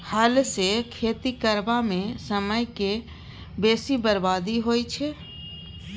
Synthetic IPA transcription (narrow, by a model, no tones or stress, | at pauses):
haːlsekʰeːt̪ikəɾbamẽsəməjke | beːsibəɾbaːd̪iɦoːit͡ʃʰe